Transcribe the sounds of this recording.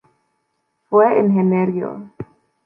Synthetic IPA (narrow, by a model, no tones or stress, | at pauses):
fweenɦeneɾjo̰